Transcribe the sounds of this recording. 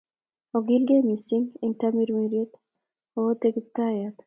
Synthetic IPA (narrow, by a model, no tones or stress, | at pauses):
oɡilɡemisiŋintamiɾmiɾjet̪ | ot̪ek̚t̪ajat̪